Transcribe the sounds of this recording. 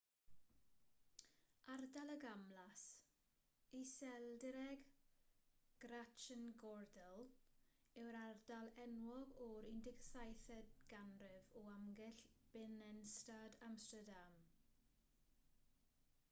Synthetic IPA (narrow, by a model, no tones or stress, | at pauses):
ardaləɡamlas | isɛlˠdɪɾɛɡ | ɡ̥rat͡ʃənɡɔɹdəlˠ | ɛwɾardalˠɛnwɔɡɔɾɪndɪɡsajθɛdɡ̥anrɪvɔamɡɪɬb̥ɪnɛnstadamstədam